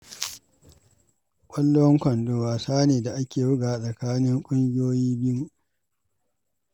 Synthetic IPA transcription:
kʷʼɐ˦lːʊ˦wɐ˦ŋkʷɐ˨ndoː˦waː˨saː˦neː˨da˨ʔa˦kʲeː˨wʊ˦ɡaː˨sʼɐ˨kaː˦nɪ˦ŋkʷʼʊ˦ŋɡʲɪ˦joː˦jiː˦b

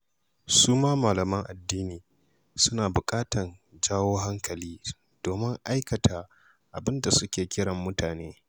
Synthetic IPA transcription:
suː˦maː˦maː˨lɐ˨mɐ˦ŋʔa˨dːiː˦niː˨ | sʊ˦naː˨bʊ˨kʼaː˦tɐ˨nd͡ʒaː˦woː˦ɦa˦ŋkɐ˨liː˦ | d̥oː˨mɪ˦ŋʔa˦jkɐ˨tʰa˨ | ʔa˨bɪ˦nda˨sʊ˦kʲeː˨kʲɪ˦ɽɐ˨mːʊ˦taː˨neː˦

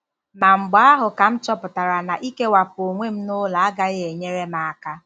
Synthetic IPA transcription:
ma˨ŋ͡m̩˨ɡ͡ba˦a˦ɦʊ˨ka˨m̩˦t͡ʃɔ˦pʊ˨ta˨ɾa˨na˨ʔi˦ke˦wa˨po˨ŋʷe˦m̩˦nʊ˦la˨a˦ɡa˦ɣɪ˦e˨ɲe˦ɾe˦ma˨a˨ka˦

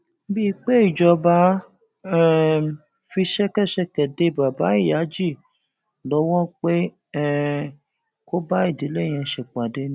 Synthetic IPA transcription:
bi˦˧˦k͡pe˦i˦˨d͡ʒɔ˧ba˦ | ɛ˦˨ | fi˧ʃɛ˦kɛ˦˨ʃɛ˧˨kɛ˨de˧˦ba˨ba˨˦i˦˨ja˨˦d͡ʒi˦˨ | lɔ˨˧˦wɔ̃˦k͡pe˦ | ɛ˦˨ | ko˦ba˦i˦˨di˨˦le˦˨j̃ɛ̃˧˨ʃɛ˨k͡pa˨de˨˦nĩ˦

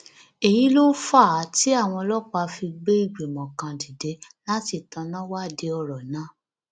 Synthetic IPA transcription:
e˨ji˨˦lo˦fa˦˨˦ti˦a˦˨w̃ɔ̃˧lɔ˦k͡pa˧fi˧ɡ͡be˦i˦˨ɡ͡be˨mɔ̃˨kã˧di˨de˨˦la˦ti˦˨tã˨˧˦nã˦wa˦˨de˨˦ɔ˧˨ɾɔ˨nã˨˦

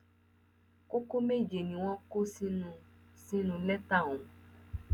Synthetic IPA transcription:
ko˦ko˦me˦˨d͡ʒe˨nĩ˨w̃ɔ̃˦ko˦sĩ˦nũ˧sĩ˦nũ˧lɛ˦t̪a˦˨ũ˨

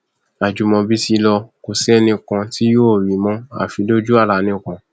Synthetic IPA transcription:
a˨d͡ʒu˨mɔ̃˧bi˦si˧lɔ˧ko˧sɛ˦nĩ˧kã˧ti˦jo˦˨wi˨˦mɔ̃˦a̰˦˨fi˨˧˦do˦d͡ʒu˦a˦˨ɾa˨˧nĩ˧˦˨kã˧

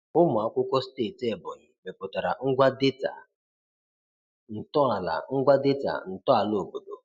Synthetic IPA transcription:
ʊ˦mʊ˨a˦kʷʊ˦kʷɔ˦ste˦˨te˨bʊ˨ɲɪ˨me˨pʊ˨ta˨ɾa˨ŋ̩˦ɡʷa˦de˦ta̰˨ | n̩˨tɔ˦a˨la̰˨ŋ̩˦ɡʷa˦dɪ˦ta̰˨n̩˨tɔ˦a˨lo˨bo˨do˨

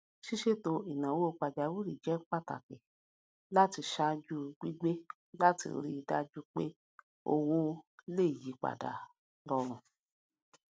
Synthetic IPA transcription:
ʃi˦ʃe˦˨to˧i˨nã˨wo˦o˧k͡pa˨da˨wi˦ɾi˨d͡ʒɛ˨˦k͡pa˦˨ta̰˨kɛ˨ | la˦ti˧ʃa˧˦d͡ʒu˦ɡ͡bi˦ɡ͡be˦ | la˦tḭ˧ɾi˦˧da̰˧d͡ʒu˦k͡pḛ˦ | o̰˧wo˦le˦˨ji˨˦k͡pa̰˨da̰˨ | lɔ˧ɾ̃ũ˨

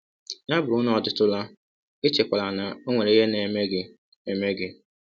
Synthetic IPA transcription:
ɲa˦bʊ˨ɾʊ˦n˦ɔ˨tʊ˦tʊ˦la˦ | ɪ˦t͡ʃe˨kʷa˨la˨na˨o˦ŋʷe˨ɾe˦ɦe˦ne˨me˦ɡɪ˦ | e˨me˦ɡɪ˦

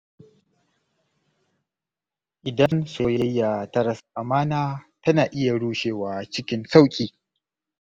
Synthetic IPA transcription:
ʔɪ˨dɐ˦nsoː˨jɐ˦jːa˨tɐ˦ɾɐ˨sʔa˨maː˦naː˦tɐ˦naː˨ʔɪ˦ja˨ɽuː˦ʃeː˨waː˨˦t͡ʃɪ˦kʲɪ˦nsa˦wkʲʼiː˨

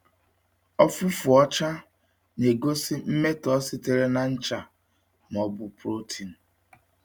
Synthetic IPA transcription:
ɔ˦fu˦fʊ˨ɔ˦t͡ʃa˦ | ne˨ɡo˦si˦m̩˦me˦tɔ˦si˦te˦˨ɾe˦na˨n̩˦t͡ʃa˨ | m˨ɔ˨bʊ˨pɾo˦tʰi˨n̩˨

